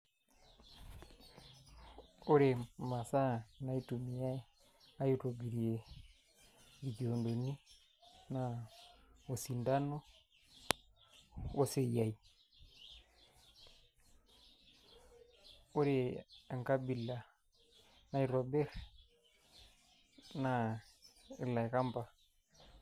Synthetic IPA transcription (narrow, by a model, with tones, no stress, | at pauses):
o˦ɾe˨ma˨sa˦na˦i˦tumi˨ja˦ | a˦juto˨ɡi˨ɾie˨ | ɡi˨ki˨o˨ndo˨ni˦ | na˨ | o˨si˨nda˦no˦ | o˦se˨ja˨i˨ | o˦ɾe˨a˨ŋka˦bi˨la˨ | na˦i˦ɾo˨be˦ɾ | na˨ | ɪ̰˦˨la˨jka˦mpa˨